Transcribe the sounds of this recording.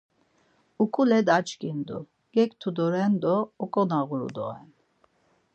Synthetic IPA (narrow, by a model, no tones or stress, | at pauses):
ukʼulɛd̪at͡ʃkʼind̪ṵ | ɡ̥ɛkt̪ʰud̪ɔɾɛnd̪ɔːkʼɔnaɣuɾṵd̪ɔ̰ɛn